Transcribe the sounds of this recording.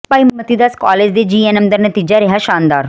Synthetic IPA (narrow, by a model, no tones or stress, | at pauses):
paimət̪id̪askɔled͡ʑd̪ed͡ʑienemd̪əɾnət̪id͡ʒaɾiɦaʃãːnd̪aːɾ